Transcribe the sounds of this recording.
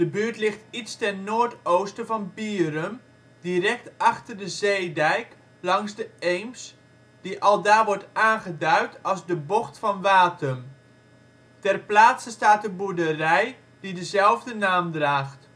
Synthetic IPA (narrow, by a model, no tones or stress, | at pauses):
d̥əbyəɹtlɪχtitstɛnnoːɹtowstəvɑnpiːrən | dirɛk̚tɑχtərdəzejdɛjk | lɑŋzdəejms | d̥iʔɑlˠdaːʋɔɹtaːnχədœɥtɑlˠzdəbɔχtfɑnʋaːtəm | tɛrplaːtsəstaːtəbudərɛj | d̥idəzɛlˠvdənaːmdraːχt